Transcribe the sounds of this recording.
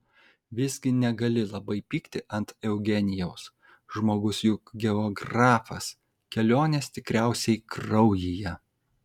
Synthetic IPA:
ʋʲɪzʲɡʲɪnʲɛɡɐlʲɪlˠɐbɐɪpʲiːkt̪ʲɪʔɐnt̪ɛʊɡʲɛnʲɪjɛʊs | ʒmoːɡʊsjʊkɡʲɛɔːɡɾɑːfɐs | kʲɛlʲoːnʲeːst̪ʲɪkɾʲæˑʊsʲɛɪkɾɒʊjɪjɛ

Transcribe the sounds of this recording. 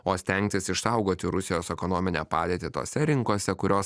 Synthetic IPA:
oːsʲt̪ʲɛŋʲkt̪ʲɪsɪʃsɐʊɡoːt̪ʲɪɾʊsʲɪjoːsɛkɔnoːmʲɪnʲæ̰ːpɑːd̪ʲeːt̪ʲɪt̪o̰ːsʲɛɾʲɪŋkoːsʲɛkʊɾʲoːs

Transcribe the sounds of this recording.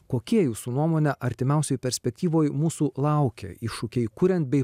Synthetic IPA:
koːkʲiɛjuːsuːnuɔmoːnʲɛʔɐɾʲt̪ʲɪmʲɛˑʊsʲoːjpʲɛɾʲsʲpʲɛk̚t̪ʲiːʋoːjmuːsuːlˠɐˑʊkʲḛiʃʊkʲɛɪkʊɾʲɛnt̪̚bʲɛɪ

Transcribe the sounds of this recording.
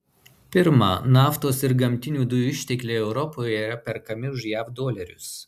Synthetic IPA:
pʲɪɾmɑ̰nɑːft̪oːsɪɾɡɐmʲt̪ʲɪnʲuːd̪ʊjuɪʃʲt̪ʲɛklʲeːɛʊɾɔpoːjɛiːɾɐpʲɛɾkɐmʲɪʊʒjæːfd̪oːlʲɛɾʲʊs

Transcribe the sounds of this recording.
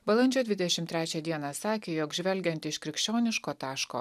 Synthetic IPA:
bɐlˠɐnʲd͡ʒʲoːd̪ʲʋʲɪd̪ʲɛʃʲɪmt̪ʲɾʲæːt͡ʃʲɛd̪ʲiɛnɑsɑːkʲeːjoːkʒʲʋʲɛlʲɡʲɛnt̪ʲɪʃkɾʲɪkʃʲt͡ʃʲoːnʲɪʃkoːt̪ɑːʃko̰ː

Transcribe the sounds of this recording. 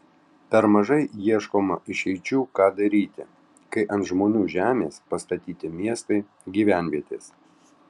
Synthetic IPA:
p̪ʲɛɾmɐʒɐɪjiɛʃkoːmɐɪʃɛɪt͡ʃʲuːkɑːd̪ɐɾʲiːt̪ʲɪ̰ | kɐɪʔɐnt̪ʒmoːnʲuːʒʲæːmʲeːspɐst̪ɐt̪ʲiːt̪ʲɪmʲiɛst̪ɐɪ | ɡʲiːʋʲæˑnʲʋʲiɛt̪ʲeːs

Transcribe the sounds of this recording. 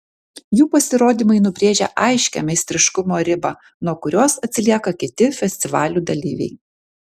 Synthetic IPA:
juːpɐsʲɪɾoːd̪ʲiːmɐɪnʊbʲɾʲeːʒʲɛ̰ʔɐɪʃʲkʲɛ̰mʲɛɪsʲt̪ʲɾʲɪʃkʊmoːɾʲɪbɐ | nuɔkʊɾʲoːsɐt̪ʲsʲɪlʲiɛkɐkʲɪt̪ʲɪfʲɛsʲt̪ʲɪʋɑːlʲuːd̪ɐlʲḭːʋʲɛ̰ɪ

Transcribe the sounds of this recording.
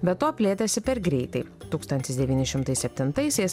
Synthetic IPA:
bʲɛt̪tːoːpʲlʲeːt̪ɐsʲɪpʲɛɾɡɾʲɛɪt̪ɐɪ | t̪uːkst̪ɐnʲt̪ʲɪsd̪ʲɛʋʲiːnʲɪʃʲɪmt̪ɐɪssʲɛpʲt̪ʲɪnt̪ɐɪsʲɛɪs

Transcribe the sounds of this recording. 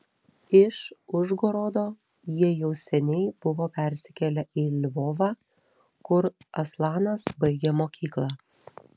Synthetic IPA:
ɪʃʊʒɡoːɾoːd̪oː | jiɛjɛʊsʲɛnʲɛɪb̥ʊʋoːpʲɛɾʲsʲɪ̥kʲɛlʲɛʔɪlʲʋoːʋɑː | kʊɾɐslˠɑːnɐsbɐɪɡʲemoːkʲʰiːklˠɑː

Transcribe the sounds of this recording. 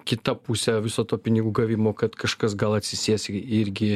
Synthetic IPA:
kʲɪt̪ɐpuːsʲɛʋʲɪsoːt̪oːpʲɪnʲɪɡuːɡɐʋʲiːmoːkɐt̪kɐʃkɐs̬ɡɐlˠɐt̪ʲsʲɪsʲiɛsʲɪɾʲɡʲɪ

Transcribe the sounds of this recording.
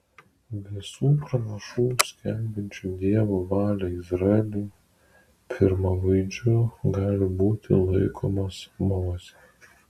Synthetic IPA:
ʋʲɪsuːpɾɐnɐʃuːsʲkʲɛmʲbʲɪnʲt͡ʃʲud̪ʲiɛʋoːʋɑːlʲɛɪzɾɐɛlʲuː | pʲʰɪɾmɐʋɐɪd͡ʒʲʊɡɑːlʲɪbuːt̪ʲɪlˠɐɪkʰoːmɐsmoːsʲɛ

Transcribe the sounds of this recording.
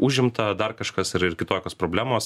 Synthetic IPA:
ʔuʒʲɪmt̪ɐd̪ɐrkɐʃkɐsɪɾɪrkʲɪt̪oːkʲoːspɾoːbʲlʲæːmoːs

